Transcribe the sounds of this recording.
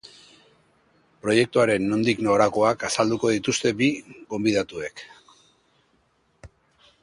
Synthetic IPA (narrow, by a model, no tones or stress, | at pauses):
pɾo̞je̞k̚t̪uaɾe̞nːo̞nd̪iknoɾako̞akasald̪uko̞ðit̪ust̪e̞biɣo̞mbiðat̪ue̞k